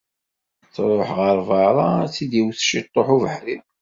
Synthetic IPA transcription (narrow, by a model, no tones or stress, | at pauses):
t͡sɾˤoħʁəɾˤvɑɾˤɑt͡sid̪iwθʃit̪ˤːoħuvəħɾi